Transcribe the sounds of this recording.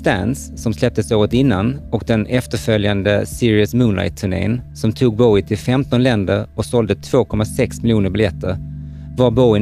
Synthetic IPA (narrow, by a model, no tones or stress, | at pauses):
st̪æ̰nsːɔmslɛp̚t̪əsoːɾət̪ɪnːanɔkd̪ɛnɛft̪əɾfœljand̪əsɪɾɪəsmʉːnla̰ɪt̪ʰːɵɳḛːnsɔmt̪ʰuːɡ̚bɔjt̪ʰɪlfɛmt̪ɔnlɛnd̪əɾɔksɔld̪ət̪ʰv̥oːkʰɔmasɛksmɪlɪjuːnəɾbɪljɛt̪ʰːəɾ | vaɾbɔɪ